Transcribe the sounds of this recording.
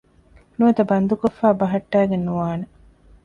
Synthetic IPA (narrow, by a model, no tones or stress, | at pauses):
nuʋɐt̪ɐbɐnd̪ukofːaːbɐɦɐʈːæːɡenːuʋaːne